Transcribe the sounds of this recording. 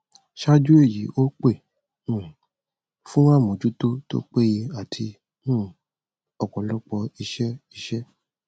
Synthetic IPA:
ʃa˦d͡ʒu˦e˦˨ji˨˦ʔo˦k͡pe˦˨ | nũ˨ | fũ˦w̃ã˦˨mõ˨d͡ʒu˦to˦to̰˦k͡pe˦je˧a˨tʰi˧ | nũ˦˨ | ɔ˨kɔ˨lɔ˦k͡pɔ˧i˧ʃɛ˦i˧ʃɛ˦

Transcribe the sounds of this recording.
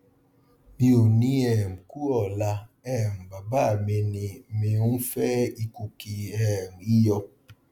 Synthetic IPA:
mi˦o˨ni˦ɛ˨m˨ku˦ɔ˨la˧ | ɛ˦˨mba˨ba˦˨me˨ni˨mɪ˨u˦n˦fɛ˦i˦ku˨ki˨ɛ˦˨ŋi˦jɔ˧

